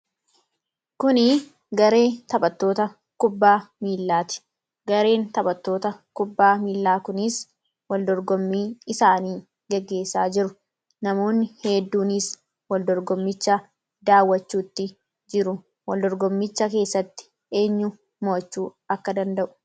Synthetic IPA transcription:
kʊnɪ | ɡɐɾe̞ːt̪ɐbɐt̪ːo̞ːt̪ɐ | kʊbːaːmiːlːaːt̪ɪ̥ | ɡɐɾe̞ːnt̪ɐbɐt̪ːo̞ːt̪ɐkʊbːaːmiːlːaːkʊnɪs | wɐld̪ɔɾɡɔmːiːɪsaːniː | ɡɛɡːe̞ːsa̰ːd͡ʒɪɾʊ | nɐmo̞ːnːɪheːd̪ːuːnɪs | wɐld̪ɔɾɡɔmːɪt͡ʃːɐ | d̪aːwːɐt͡ʃːuːt̪ːɪ | d͡ʒɪɾʊ | wɐld̪ɔɾɡɔmːɪt͡ʃːɐke̞ːsːɐt̪ːɪ̥ | e̞ːɲːʊ | moːt͡ʃːuː | ɐkːɐd̪ɐnd̪ɐʔʊ̥

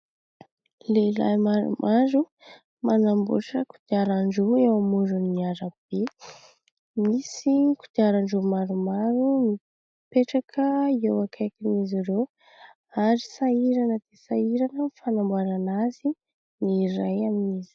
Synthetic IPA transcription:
leila̰jmaɾṵmʔaɾu | manambṵʈ͡ʂəku̥d̪̥iaɾaɳɖ͡ʐuewamuɖ͡ʐunːiaɾab̥e | misiku̥d̪̥iaɾaɳɖ͡ʐumaɾumaɾuni | peʈ͡ʂakʰəiewakʰajkiniziɾo | aɾisaiɾanəd̪̥esaiɾanəfanambuaɾanazi | nirajaminizi̥

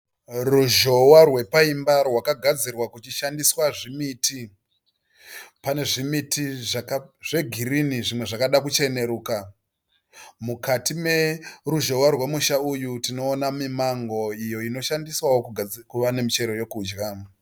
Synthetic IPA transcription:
ruʒo̞warwe̞paimbarwakaɡʱad͡zirwakut͡ʃiʃandiswaʐimiti | pane̞ʐimitiʐakaʐe̞ɡʱiɾiniʐimwe̞ʐakaɗakut͡ʃe̞ne̞ɾuːka | mukatime̞ruʒo̞warwe̞muʃaujutino̞ːnamimaŋɡo̞ijo̞ino̞ʃandiswawokuɡkuʋane̞mit͡ʃe̞ɾo̞jo̞kuːd͡ʒɣa

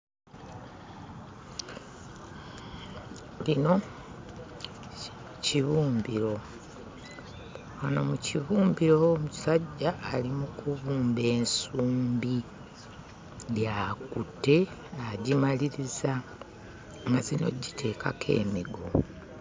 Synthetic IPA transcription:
lino̞ | ciβuːmbiɾo̞ | wano̞̰muciβuːmbiɾo̞mu̥saɟːaʔːlimukuβuːmbe̞ːnsuːmbi | ljaːkutːe̞aɟimaliɾiza | ŋɡazino̞̰ɟitʰe̞ːkʰakʰe̞̰ːmiɡo

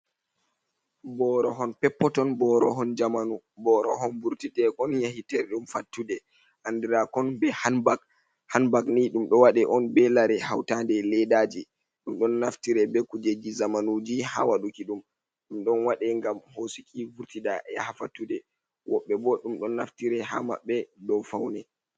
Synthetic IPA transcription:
bɔɾɔɦɔnpɛpːɔtɔnbɔɾɔɦɔnd͡ʒamanu | bɔɾɔɦɔnbuɾtiɗɛʔɔnjahitɛɾɛɗumfatːudɛ | ʔandiɾakɔnbɛhbak | hanbakniɗumɗɔwaɗɛʔɔnbɛlaɾɛha̰wtandɛlɛɗad͡ʒi | ɗumɗɔnːaftiɾɛbɛkud͡ʒed͡ʒizamanud͡ʒiha̰waɗukiɗum | ɗumɗɔnwaɗɛŋɡamhosikʰivuɾtiɗaʔɛhafatːudɛ | wɔɓːɛbɔɗumɗɔnːaftiɾɛɦa̰ma̰ɓːɛdɔnfawnɛ

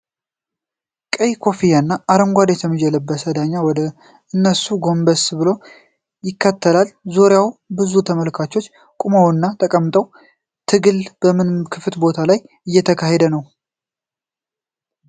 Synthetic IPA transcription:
kʼəjkʰo̞fijanːaːɾəmɡʷad̪ɛt̪ʰəmːɨd͡ʒɛləbːəsəd̪aɲːawɔd̪ə | ɨnːəsuɡo̞mbəsbɨlo̞ | jɪkʰːət̪ʰːəlalzoɾjawbɨzut̪ʰəməlkʰat͡ʃːo̞t͡ʃː | kʼumawɨnːat̪ʰəkʼəmːt̪ʼəw | t̪ʰɨɡɨlb̥əmɨnkʰɨfɨt̪bo̞t̪ʰalaj | ɨjːɛt̪ʰəkʰaɦed̪ənəw

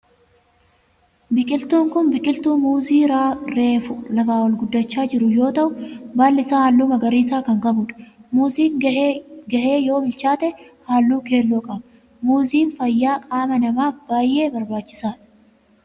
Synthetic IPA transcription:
bɪkʼɪlt̪uːŋkʊnbɪkʼɪlt̪uːmuːziːɾaːɾe̞ːfʊlɐfaːwɐlɡʊd̪ːɐt͡ʃːaːd͡ʒɪɾʊjo̞ːt̪ɐʔʊbaːlːɪsaːhaːlːuːmɐɡɐɾiːsaːkɐŋɡɐbʊᶑɐ̥muːziːŋ | ɡɐʔeːjo̞ːbɪlt͡ʃaːt̪ɛhaːlːuːke̞ːlːoːkʼɐbɐ | muːziːnfɐjːaːkʼaːmɐnɐmaːfbaːjːe̞ːbɐɾbaːt͡ʃːɪ̥saːᶑɐ̥

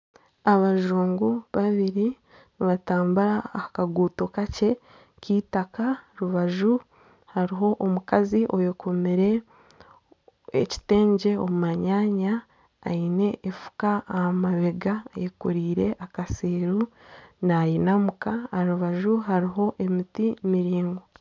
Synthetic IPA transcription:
aβaʒuːŋɡuβaβiɾi | niβataːmbuɾakaɡuːto̞kace̞ | kiːtakaɾuβaʒu | haɾiɦo̞ʔomukaziʔo̞jekomiɾe̞ | ḛci̥te̞ːɲɟe̞omumaɲaːɲa̰ː | ine̞ʔefu̥kaːmaβeɡajekuɾiːɾe̞ʔakasiːɾunajinamukaɾuβaʒuɦaɾiɦo̞ʔe̞mitimiɾiːŋɡo̞

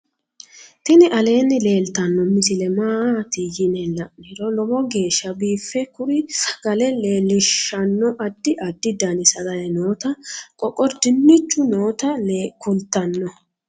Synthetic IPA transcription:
t̪ɪnɪʔɐle̞ːnːɪle̞ːlt̪ɐnːɔmɪsɪlɛmaːt̪ɪjɪnɛlːɐnɪɾɔlɔbɔɡe̞ːʃːɐbiːfːɛkʊɾɪɡ̥ɐlɛleːlɪʃːɐnːɔʔɐd̪ːɪʔɐd̪ːɪd̪ɐnɪsɐd̪ɐjɛnoːt̪ɐkʼɔkʼːɔɾd̪ɪmːɪt͡ʃːʊnoːt̪ɐkʊlt̪ːɐnːɔ

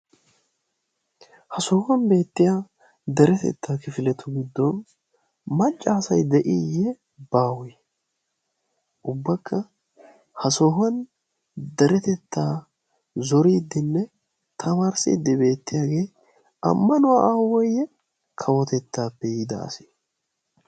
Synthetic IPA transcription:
hɐsɔːhɐnbe̞ːt̪ːɪjaː | d̪ɛɾɛt̪ɛ̰t̪ːaːkɪfɪlɛt̪ʰːʊɡɪd̪ːɔn | mɐt͡ʃʼːaːsɐjd̪ɛʔijɛ | baːwɔj | ʔʊbːɐkːɐ | hɐsɔːɦɐn | d̪ɐɾɛt̪ɛt̪ːaː | zɔɾiːd̪ːɪnːɛ | t̪ʰɐmaːɾsḭːd̪ːɪbe̞ːt̪ːɪjaːɡe̞ː | ɐ̰mːɐnʊwaːʔaːwɔjɛ | kʰɐwɔt̪ɛt̪ːaːpːɛjɪd̪ɐ̰ɐ̰si

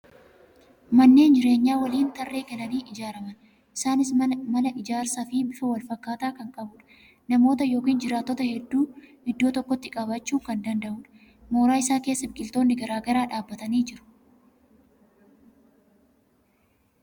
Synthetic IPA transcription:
mɐnːe̞ːnd͡ʒɪɾe̞ːɲːaːwɐliːnt̪ɐrːe̞ːkɛnɐniːʔɪd͡ʒaːɾɐmɐn | ʔɪsaːnɪsɐmɐlɐʔɪd͡ʒaːɾsafɪbɪfɐwɐlfɐkːaːt̪aːkɐŋkʼɐbʊᶑɐ̥ | nɐmo̞ːt̪ɐjo̞ːkiːnd͡ʒɪɾaːt̪ːɔt̪ɐhɛd̪ːuːhɪd̪ːoːt̪ɔkːɔt̪ːɪkʼɐβɐt͡ʃːuːkɐnd̪ɐnd̪ɐʔuːᶑɐ̥ | mo̞ːɾaːɪsaːke̞ːsːɐbkʼɪlt̪o̞ːnːɪɡɐɾaːɡɐɾaːᶑaːbːɐt̪ɐniːd͡ʒɪɾʊ̥

